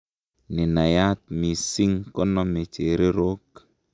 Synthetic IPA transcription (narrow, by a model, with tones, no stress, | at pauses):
ni˨na˨ja˦t̪̚mi˨si˦ŋkɔ˦nɔ˦me˨t͡ʃe˨ɾe˦ɾo˦k